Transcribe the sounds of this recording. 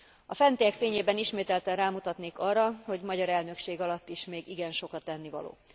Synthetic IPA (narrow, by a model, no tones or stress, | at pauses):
ɒfɛnt̪ejɛkfeːɲeːbɛniʃmeːt̪ɛlt̪ɛnraːmut̪ɒt̪neːkɒrːɒho̞ɟmɒɟɒɾɛlnø̞kʃeːɡɒlɒt̪ːiʃmeːɡiɡɛnʃo̞kɒt̪ːɛnːivɒ̰lo̰ː